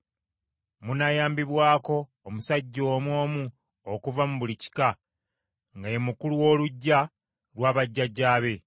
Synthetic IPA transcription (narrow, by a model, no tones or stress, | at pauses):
munajaːmbiβwaːko̞ːmusaɟːo̞ːmwo̞ːmu | okuvamuβulici̥ka | ŋɡajemukuluwo̞ːluɟːa | lwaːβaɟːaɟːaːβe̞